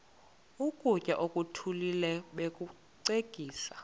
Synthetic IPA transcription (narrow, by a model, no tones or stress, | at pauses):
ukʼucʼaʔokʼutʰulilɛɓekʼu | ǀekʼiːsa